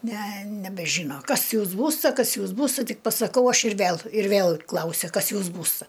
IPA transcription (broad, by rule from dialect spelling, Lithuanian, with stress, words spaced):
nʲɛ nʲɛbʲɛˈʒʲiːnoː ˈkɐs ˈjuːs ˈbuːstɐ ˈkɐs ˈjuːs ˈbuːstɐ ˈtʲɪk pɐsɐˈkɐʊ ˈɐʃ ɪr ˈʋʲɛlˠ ɪr ˈʋʲeːlˠ ˈklˠɐʊsʲɛ ˈkɐs ˈjuːs ˈbuːstɐ